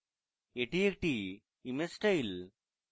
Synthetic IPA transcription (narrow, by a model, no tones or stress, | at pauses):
eʈːiekʈi | imesʈɐil